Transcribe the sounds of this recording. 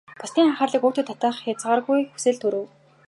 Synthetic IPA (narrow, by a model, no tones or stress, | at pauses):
pʊst̪iːŋaχaːrɮĭːkuːt̪ʰɵ̆ːt̪ʰːat̪aːχjat͡sʁaːrɣujxu̥sɘ̆ɮt̪ʰɵɾɘ̆w